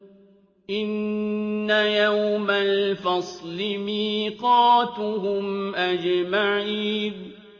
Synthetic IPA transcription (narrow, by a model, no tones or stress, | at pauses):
ʔɪnː | ajawwmalfɑsˤlɪmiːqɑːt̪ɦʊmʔad͡ʒmaʕiːn